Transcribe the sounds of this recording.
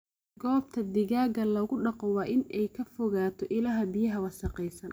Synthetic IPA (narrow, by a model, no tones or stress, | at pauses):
ɡɔːb̚t̪ʰɐd̪ɪɣaːɣɐlɔɣʊɖɑqɔwɑːʔɪnɛjkʰɐfɔɣaːt̪ʰɔʔɪlaɦɐbɪjɐɦɐwɑsɐqɛjsɐn